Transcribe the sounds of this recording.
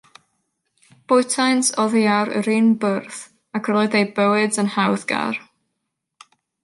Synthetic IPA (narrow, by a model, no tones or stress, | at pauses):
b̥ʊjtʰajnsɔðiaɾə̰ɾiːnbərθ | akʰrɛlˠɔdejbəwɨdənhawðɡ̥a̰r